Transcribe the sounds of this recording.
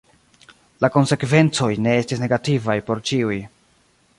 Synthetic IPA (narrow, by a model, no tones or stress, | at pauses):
lako̞nse̞kve̞nt͡so̞jne̞e̞stisne̞ɡativajpo̞ɾt͡ʃiuj